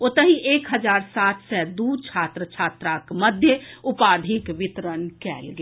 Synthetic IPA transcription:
ot̪əɦiʔeːkɦəd͡ʒaːɾsaːt̪ʰsɛd̪uːt͡ʃʰaːt̪ɾət͡ʃʰaːt̪ɾakməd̪ʱjəʊpaːd̪ʱikʋɪt̪ɾənkɛ̰ːlɡe

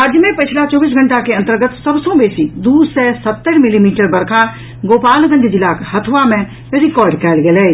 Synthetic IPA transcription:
ɾaːd͡ʒjəmẽpət͡ʃʰlat͡ʃɔːbiːs̬ɡʱə̃ɳʈakeɐ̃nt̪əɾɡət̪səbsõbeːsid̪uːsɛsət̪ːəɾmɪlimiːʈəɾbɐɾkʰa | ɡoːpaːlɡə̃nd̪id͡ʒɪlaːkɦɐt̪ʰʋamẽ | ɾɪkɔːɾɖkɛːlɡelɛː

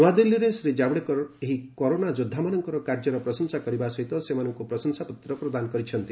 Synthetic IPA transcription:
nuad̪ilːiɾesɾid͡ʒabɽekɔɾeɦikɔɾonad͡ʒud̪ʱːamanɔŋkɔɾɔkaɾd͡ʒɔɾɔpɾɔsɔnsakɔɾibasɔɦit̪ɔsemanɔŋkupɾɔsɔnsaput̪ɾɔpɾɔd̪anɔkɔɾit͡ʃʰɔnt̪i

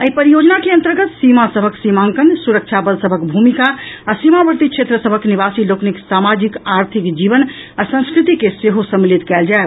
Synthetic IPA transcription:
əɦipəɾijod͡ʒnakeə̃nt̪əɾɡət̪simasəbʱəksimaŋkənsuɾək̚t͡ʃʰabəlsəbʱəkbʱumikaasimabəɾt̪ikt͡ʃʰet̪ɾəsəbʱəknibasilokniksamad͡ʒikaɾt̪ʰikd͡ʒibənasə̃ñskɾit̪ikeseɦosə̃mːilit̪kɛld͡ʒae

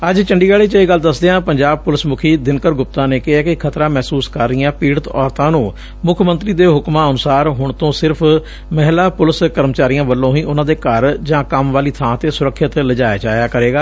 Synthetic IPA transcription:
əd͡ʒt͡ʃəɳɖiːɡaːɽiːt͡ʃəiːɡəld̪əsd̪eːɦãːpəɲd͡ʒaːb̚pʊlɪsmʊkʰiːd̪ɪnkəɾɡʊp̚t̪ãːneːkɪaːkɪkʰət̪ɾãːmɛːsuːskəɾːɪjãːpiːɽət̪ɔ̰ːɾt̪ãːnũː | mʊkʰmənt̪ɾiːd̪eːɦʊkmãːənʊsaːɾɦʊɳt̪õːsɪɾpʰ | mɛɦlaːpʊlɪskəɾmət͡ʃaːɾijãːʋəlːõːɦĩːʔʊnãːd̪eːkəɾd͡ʒãːkəmʋaːliːt̪ʰãːt̪eːsʊɾəkʰːɪt̪ləd͡ʒaːjaːt͡ʃaːjaːkəɾeːɡaː

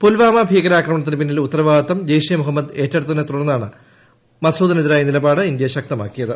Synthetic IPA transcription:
pulʋaːmɐbʱiːɣɐɾaːkrɐmɐɳɐt̪̬ːinɨpinːilut̪ːɐɾɐʋaːt̪ːɐmd͡ʑɐjʂijɐmuɦɐmːɐd̪e̞ːtːɐɽɐt̪ɐinet̪uɽɐnːaːɳɨ | mɐsuːd̪ɐniðiɾaːjɐnilɐbaːɽɨind̪jɐɕɐk̚t̪ɐma̰ːkːijɐðɨ

